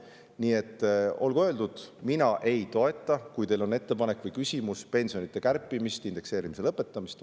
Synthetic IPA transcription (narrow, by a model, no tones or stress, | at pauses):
niːe̞t̪ːo̞lɡ̥uø̞ːld̪ud̪̥minɑʔe̞jt̪o̞e̞t̪ːˑɑkujt̪e̞jlo̞ne̞t̪ːe̞pɑne̞kːˑvɤjkysʲimuspe̞nʲsio̞nit̪ːˑe̞kærpːˑimist̪ind̪e̞kse̞ːɾimise̞lɤpːˑe̞t̪ːˑɑmist̪